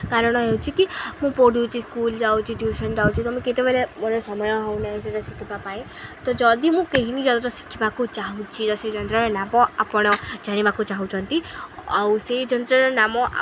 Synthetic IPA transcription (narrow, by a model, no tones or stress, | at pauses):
kaɾɔɽ̃ɔɦewt͡ʃʰikimũpoɽjut͡ʃʰiskuld͡ʒawt͡ʃʰiʈjuʃɔnd͡ʒawt͡ʃʰit̪ɔmũket̪ebeɾemonɔsɔmɔjɔɦewnaɦĩseɾɔsikʰibapaĩ | t̪ɔd͡ʒɔd̪imũkeɦinid͡ʒɔd̪ɔt̪ɔsi̥kʰibakut͡ʃaɦũt͡ʃʰit̪ɔsed͡ʒɔnt̪ɾɔɾɔnapɔapɔɽ̃ɔd͡ʒaɽ̃ibakut͡ʃaɦũt͡ʃʰɔnt̪iawsed͡ʒɔnt̪ɾɔɾɔnamɔʔ